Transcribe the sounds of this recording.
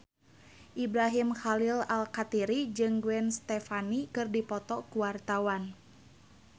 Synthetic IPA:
ʔibɾaɦimxalilalkat̪iɾid͡ʒɨŋɡwɛnst̪ɛfanikɨrdipɔt̪ɔkuwart̪awan

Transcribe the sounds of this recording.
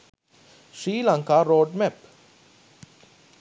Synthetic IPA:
ʂiːlaŋkaɾoːɖmɛp

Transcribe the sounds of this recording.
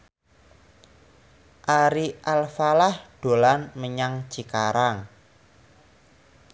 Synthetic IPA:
ʔaɾiʔalfalahɖ̥o̤lanməɲaŋ̥t͡ʃi̤kaɾaŋ

